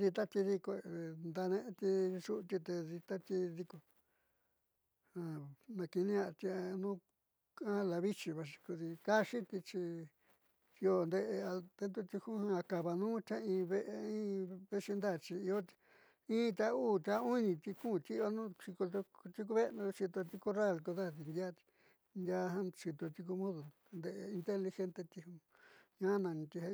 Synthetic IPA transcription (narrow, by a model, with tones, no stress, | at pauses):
ði˧t̪a˦t̪i˧ði˧ko˧˨nd̪a˧nẽ˧ʔe˦t̪i˧ʂu˦˧t̪i˧t̪e˧ði˧t̪a˦t̪i˦˧ði˧ko˧ | hã˧˨nã˨˧ki˧nĩ˦a˧t̪i˧a˧nũː˦ | ã˦la˧βi˦t͡ʃi˧βa˧ʂ̬i̥˧ku˧ði˧ka˦ʂi˦t̪i˧t͡ʃi˧ | i˧o˧nd̪e˧ʔe˧a˧t̪e˧˦nd̪u˦t̪i˧hu˦hã˧ka˧βa˧nũː˦t͡ʃ̪a˦ĩː˧βe˦ʔe˧ĩː˦βe˦ʂi˧nd̪a˦˨t͡ʃi˧i˧o̥˦ | ĩː˦t̪ʲa˧uː˦˨t̪ʲa˧u˦nĩ˧t̪i˧kũ˦˨t̪i˦˧a˧˦nũː˦t͡ʃi˧ko˧t̪o˧t̪i˧k̬u˧˦βe˦˧nũ˧t͡ʃi˧t̪o˧t̪i˧ku˦ra˦˨ko˧ða˦t̪i˧nd̪ʲa˦˧ | nd̪ʲa˧ɦã˦t͡ʃi˧t̪o˧t̪i˧k̬u˧mũ˦ðu˨ | nd̪e˧ʔe˧i˧nt̪e˦li˧xe˦nt̪e˧t̪i˧hũ˧ | ɲã˦nã˨˧nĩ˧t̪i˧a˧